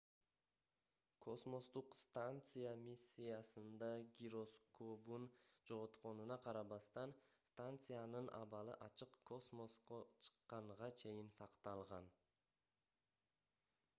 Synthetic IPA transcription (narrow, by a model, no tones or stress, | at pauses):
kʰo̞smo̞st̪uqst̪ant̪sɨjamʲisʲːijasɯnd̪ɑɡʲiɾo̞skobund͡ʒo̞ʁot̪qo̞nunɑqʰɑɾɑβɑst̪ɑnst̪ant̪sɨjanɯnʔɑ̰βɑlˠɯ̰ʔɑt͡ʃɯqkʰo̞smo̞sqot͡ʃʰɯ̥qːɑɴʁɑt͡ʃʰe̞jɪnsɑqt̪ɑlˠʁɑn